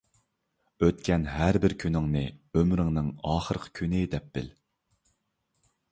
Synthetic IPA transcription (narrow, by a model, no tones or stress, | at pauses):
øt̪kʲʰɛnɦæɾbɪɾkʲʰynɪŋnɨømɾɪŋnɨŋɑːχəɾəqʰə̥kʲʰynɪd̪ɛp̚b̥ɪ̰l